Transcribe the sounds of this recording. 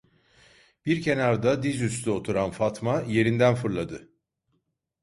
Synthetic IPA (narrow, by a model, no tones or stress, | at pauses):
b̥iɾcʰe̞naɾd̪ad̪izystlyo̞t̪ʰuɾanfat̪maje̞ɾind̪ænfɯɾlˠad̪ɯ